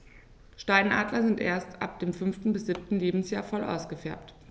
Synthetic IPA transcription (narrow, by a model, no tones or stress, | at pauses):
ʃtaɪnʔa̰ːdlɐzɪntʔḛːɐstʔa̰p̚d̥eːmfʏnftn̩bɪsz̥ɪp̚tn̩leːbm̩sjaːɐfɔlʔa̰ʊsɡ̥əfɛɐp̚t